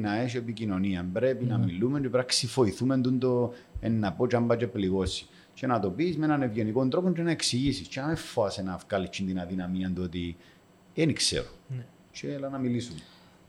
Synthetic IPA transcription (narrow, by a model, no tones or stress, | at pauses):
nɐeʃ̬iepicino̞niɐmbɾe̞pinɐmilːumeɲt͡ʃepɾɐksifo̞iθumend̪und̪oenːɐpot͡ʃɐmbɐt͡ʃepliɣo̞si̥ | t͡ʃenɐt̪o̞piːzmenɐnevʝeniko̞nt̪ɾopoɲt͡ʃenɐeksiʝisist͡ʃenɐmefːoɐsenɐfkalit͡ʃːind̪inɐðinɐmiɐnd̪uot̪i | eniksḛɾo | t͡ʃelɐnɐmilisun